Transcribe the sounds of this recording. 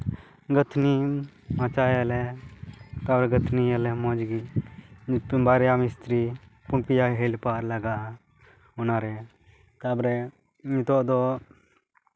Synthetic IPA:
ɡət̪ʰni | mat͡ʃaːjɛlɛ | k̪abɾɛɡət̪ʰniɛlɛmɔ̃d͡ʒɡi | pbaːɾjamɪst̪ɾi | punpijaɦelpaːɾlɐɡa | unaːɾɛ | k̪abɾɛ | ɲit̪ɔd̪ɔ

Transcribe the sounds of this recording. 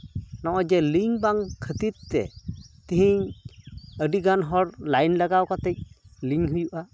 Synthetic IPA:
nɔʔɔjd͡ʒɛliŋbaŋkʰət̪it̪̚ːɛ̰t̪iɦiɲ | əɖiɡanɦɔɾlajnlaɡawkat̪ɛc̚liŋɦɯjuʔa

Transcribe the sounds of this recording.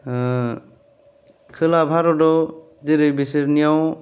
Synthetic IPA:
kʰɯlabʱaɾɔdɔ | ziɾɯjbisiɾnijɔw

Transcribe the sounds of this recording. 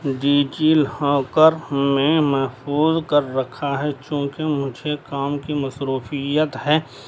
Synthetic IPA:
ɖiːd͡ʒiːlhɔ̃ːkəɾmẽmɛɦfpuːzkəɾːɐkʰaɦɛt͡ʃjõːkemʊd͡ʒʱekaːmkimɐsɾuːfijət̪ɦɛː

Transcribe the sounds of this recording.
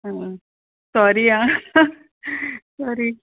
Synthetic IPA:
ɦə̃ | sɔɾiã | sɔɾi

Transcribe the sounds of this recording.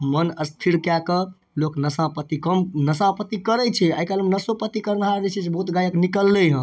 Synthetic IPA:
mənəst̪ʰiɾkjakə | loknəsãpət̪ikəmnəsãpət̪ikəɾɛt͡ʃʰɛaikalmnəsopət̪ikəɾnɦaɾnet͡ʃʰɛsbəɦut̪ɡajəknikəlːəɦə̃

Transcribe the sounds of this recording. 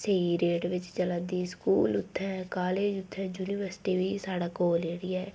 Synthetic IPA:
seːiɾeːʈʋɪt͡ʃt͡ʃələ̃ːnd̪iːskuːlʊt̪ʰːɛ̃ːkaːleːd͡ʒʊt̪ʰːɛ̃ːd͡ʒuːniːʋəɾsɪ̥ʈiːʋiːsaːɽaːkoːleːɽɪjaːɛː

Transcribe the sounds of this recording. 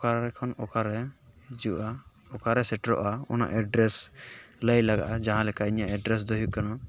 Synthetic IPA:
ɔkaɾɾɛkʰɔnɔkaɾɛd͡ʒuʔa | ɔkaɾɛsɛʈɾɔ̰ʔaɔ̰na̰ʔɛɖɾɛsləjlaɡa̰ʔad͡ʒaɦãlɛkaiɲaʔɛɖɾɛs̬d̪ɔɦuʔkana

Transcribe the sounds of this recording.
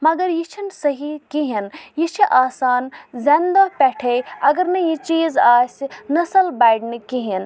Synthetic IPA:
mɐɡɐɾjit͡ʃʰinsɐɦikiɦinjit͡ʃʰiʔaːsaːnzɐnd̪opɛʈʰejɐɡɐɾnɐjit͡ʃiːzaːsinɐsɐlbajɖnɨkiɦin

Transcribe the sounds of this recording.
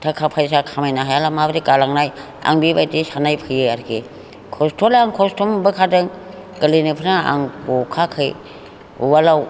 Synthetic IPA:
tʰakʰapʰajs̬akʰamajnaɦajalamabɯɾikalaŋnaj | a̰ŋbibajtisanajpʰɯjeaɾkʰe | kʰɔstʰolaaŋkʰɔstʰumbɯkʰadɯŋ | kəlinipʰɯnaa̰ŋbokʰakʰɯj | ṵwalaw

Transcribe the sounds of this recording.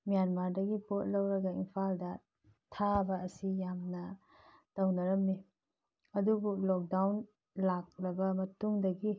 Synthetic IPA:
mijanmaɾdɐɡipot̚lɐwɾɐɡɐimpʰaldɐ | tʰabɐɐsijamnɐ | tɐwnɐɾɐmːi | ɐdubulɔk̚dawn | lak̚lɐbɐmɐtuŋdɐɡi

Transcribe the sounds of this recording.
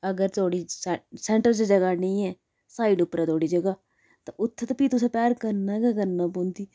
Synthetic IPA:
əɡəɾt̪ʰoːɽiːssɛːɳʈəɾt͡ʃd͡ʒəɡaːnĩːɛː | saːiɖʊpɾɛːt̪ʰoːɽiːd͡ʒəɡaː | t̪ãʔʊt̪ʰːt̪apiːt̪ʊsɛ̃ːpɛːɾkəɾnaːɡakəɾnaːpõːnd̪iː

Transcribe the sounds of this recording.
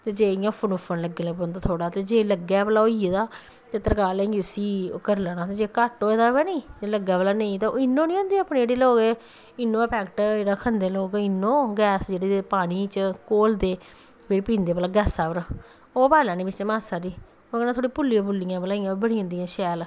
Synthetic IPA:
t̪eːd͡ʒeːɪjãːpʰʊnoːpʰənləɡelẽːbond̪aːt̪ʰoːɽaːt̪eːd͡ʒeːləɡɛːpəlaːoieːd̪aː | t̪eːt̪əɾkaːlɛ̃ːɡiʊsiːkəɾlaːnaːt̪eːd͡ʒeːkaʈoːeːd̪aːʋɛːnĩːd͡ʒeləɡɛːpəlaːnəĩːt̪ãɪnːõːnĩːõːnd̪eːaːpnːd͡ʒeːɽeːloːke | ɪnːõːɛpʰɛːkʈːɾəkʰːənd̪eːloːkɪnːõːɡɛːsd͡ʒeːɽeːpaːɽ̃iːt͡ʃəkoːld̪eː | pʰeɾpĩːnd̪eːpəlaːɡɛːsaːpəɾ | oːpaːlãːniːbɪt͡ʃt͡ʃmaːsaːɾiː | oːkɛːnãːt̪ʰoːɽiːpʊlːiãːpʊlːɪjãːpəlãːɪjãːbəɽiãːd̪ijãːʃɛːl

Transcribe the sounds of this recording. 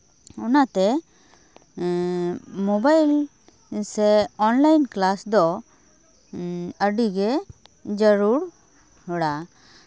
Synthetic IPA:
ɔnat̪ɛ | mɔbajl | sɛɔnlajnklasd̪ɔ | əɖiɡɛd͡ʒəɾuɾ | hɔɽa

